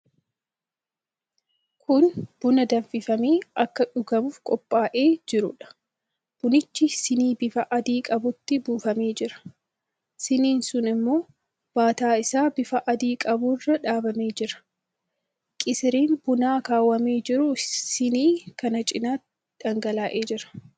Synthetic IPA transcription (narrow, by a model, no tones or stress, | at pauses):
kʰʊnb̥ʊnɐd̪ɐmfɪfɐmeːɐkːɐᶑʊɡɐbuːfkʼɔpʼːaːʔe̞ːd͡ʒɪɾʊ̰ᶑɐ̥ | b̥ʊnɪt͡ʃːɪsɪniːbɪfɐʔɐd̪iːkʼɐbʊt̪ːɪbuːfɐmeːd͡ʒɪɾɐ̥ | sɪniːnsʊnɪmːo̞ː | b̥aːt̪aːɪsaːbɪfɐʔɐd̪iːkʼɐburːɐᶑaːbɐmeːd͡ʒɪɾɐ̥ | kʼɪsɪɾiːnb̥ʊnaːkaːwːɐmeːd͡ʒɪɾʊsɪniːkɐnɐt͡ʃʼɪnaː | d̪ɐŋɡɐlaːʔe̞ːd͡ʒɪɾɐ̥